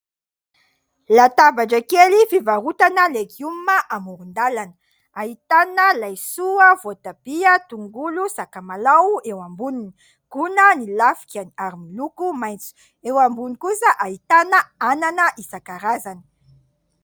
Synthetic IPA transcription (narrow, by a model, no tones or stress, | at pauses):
lat̪abaʈ͡ʂakelifivaɾut̪anəlekummaʔamuɾund̪alanə | aɦit̪anəlajsuəvot̪ab̥iət̪uŋɡulusakamalawewambunini | ɡ̥unənilafi̥kʲaniaɾimilukumajnt͡su̥ | ewambunikusəʔaɦit̪anəananəʔisakaɾazani̥